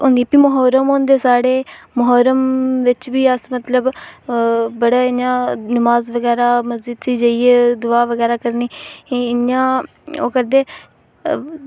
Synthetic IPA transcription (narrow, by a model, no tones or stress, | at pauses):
ɦʊ̃ːnd̪ipiːməɦɔːɾəmoːnd̪eːsaːɽeːməɦɔːɾəmʋɪt͡ʃbiːəsmət̪ləb | bəɽaːɪjãːnəmaːzʋəɡɛːɾaːməzd͡ʒəd̪siːd͡ʒaːiːeːd̪ʊaːʋəɡɛːɾaːkəɾniːɪjãː | oːkəɾd̪eː